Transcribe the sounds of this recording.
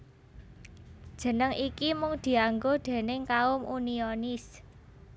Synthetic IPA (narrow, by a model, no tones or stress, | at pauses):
d̥ʒ̥ə̤nəŋʔikimʊŋd̪̥i̤aŋɡod̪̥e̤nɪŋkaʊmʔunionis